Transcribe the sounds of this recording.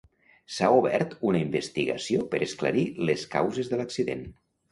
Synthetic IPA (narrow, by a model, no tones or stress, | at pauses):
sauβɛ̰ɾt̪unəimbəst̪iɣə̰siopəɾʔəsklə̰ɾiləska̰wzezðələksiðḛn